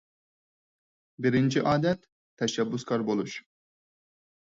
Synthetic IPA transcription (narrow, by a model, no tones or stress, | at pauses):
bɪɾɪnt͡ʃʰiʔɑːd̪ɛt̪ʰː | ɛʃɛbːuskʰɑɾbolˠuʃ